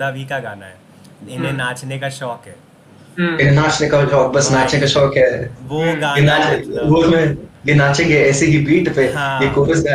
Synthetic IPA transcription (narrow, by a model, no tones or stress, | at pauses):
d̪abʱikaɡa̰ːna̰ɦɛ | ɪnẽnaːt͡ʃnekaʃɔːkɦɛː | ɪnẽnaːt͡ʃnekaʃɔːk̚bɐsnaːt͡ʃnekaʃɔːkɦɛːʋoɡːjenaːt͡ʃʋomẽjenaːt͡ʃɪ̃ŋɡɦɛɛːseɦibiːʈpeɦjekoːsɡaː